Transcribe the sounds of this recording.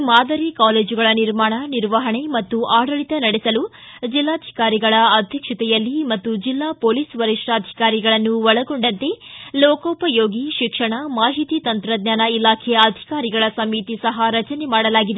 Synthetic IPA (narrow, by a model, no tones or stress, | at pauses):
maːd̪ɐɾikaːleːd͡ʒuɡɐɭɐniɾmaːɳɐniɾʋɐɦɐɳe̞mɐt̪ːuʔaːɽɐɭit̪ɐnɐɽɛsɐlu | d͡ʒilːaːd̪ʱi̥kaːɾiɡɐɭɐɐd̪ʱjɐkʂɐt̪ɛjɐlːimɐt̪ːud͡ʒilːaːpoːliːsʋɐɾiʂʈaːd̪ʱi̥kaːɾiɡɐɭɐnːuʋɔɭɐɡoɳɖɐnt̪e̞loːkoːpɐjoːɡiʃikʂɐɳɐmaːɦit̪it̪ɐnt̪ɾɐd̪̚ɲaːnɐilaːkʰɛjɐɐd̪ʱi̥kaːɾiɡɐɭɐsɐmit̪isɐɦɐɾɐt͡ʃɐnemaːɽɐlaːɡid̪e